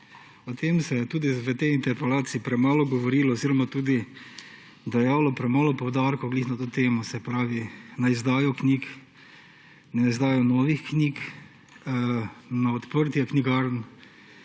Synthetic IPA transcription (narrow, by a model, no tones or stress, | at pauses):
ɔt̪emsɛjɛt̪uːd̪iʋət̪ɛjint̪ɛɾpɛlaːt̪siipɾɛmaːlɔɡɔʋɔɾiːlɔɔziːɾɔmat̪uːd̪i | d̪ɛjaːwlɔpɾɛmaːlɔpɔwd̪aɾkɔɡliːxnat̪oːt̪eːmɔsɛpɾaːʋinaizd̪aːjɔknʲik | naizd̪aːjɔnɔːʋixknʲiːk | naɔt̪pəɾt̪iakniɡaɾn